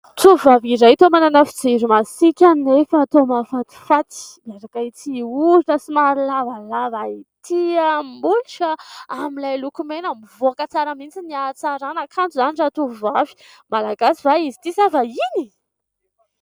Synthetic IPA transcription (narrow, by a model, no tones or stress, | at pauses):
t̪uvaviɾajt̪omananafi̥d͡zeɾimasikʲanefat̪omafant̪u̥fat̪i̥maɾakait͡siuɾinəsimaɾlavalavait̪ʰiambuliʈ͡ʂəamilajlukumenamivoakət͡saɾamint͡siniat͡saɾanakʰant͡suzaniʈ͡ʂat̪uvavi̥ | malaɡasivaizi̥t̪isavaini